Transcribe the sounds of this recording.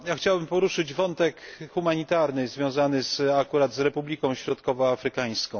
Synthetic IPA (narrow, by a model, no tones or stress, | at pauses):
jaxt͡ɕawbɘmpɔɾuʂɘd͡ʑvɔnt̪ɛkxumaɲit̪aɾnɘzvʲjɔ̃w̃zanɘzakuɾad̪zɾɛpublʲikɔ̃w̃ɕɾɔt̪kɔvɔafɾɘkaj̃skɔ̃w̃